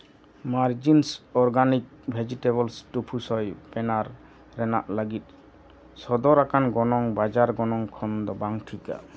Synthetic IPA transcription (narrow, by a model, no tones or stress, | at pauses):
maɾd͡ʒinsɔɾɡanik̚ | bʱed͡ʒiʈeβɔlsʈupʰusɔjpɛnaɾː | ɛna̰ʔləɡit̪̚ˀ | sɔd̪ɔɾakanɡɔnɔŋbad͡ʒaɾɡɔnɔŋkʰɔnd̪ɔbaŋʈʰika̰